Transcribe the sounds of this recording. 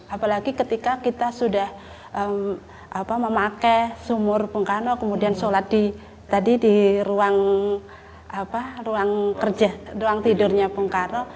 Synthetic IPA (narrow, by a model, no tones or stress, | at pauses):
ʔapalaɡikət̪ikakit̪asudah | əm | ʔapaməmakɛsumʊrpuŋkanokəmudiansoladi | t̪adidiɾuaŋ | aparuaŋkərd͡ʒaruaŋt̪idʊrɲapuŋkano